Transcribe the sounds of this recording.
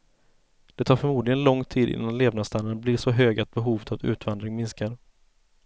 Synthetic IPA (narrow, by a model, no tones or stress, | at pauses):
d̪̥ɛt̪ʰɑːɾfœɾmuːd̪lɪɡənlɔŋːt̪ʰiːd̪ɪ̰nːanleːvnast̪ʰalːənblɪːʂɔɦøːɡat̪̚bɛɦuːvət̪ʰatʉ̟̰ːt̪vand̪ɾɪŋmɪnskaɾ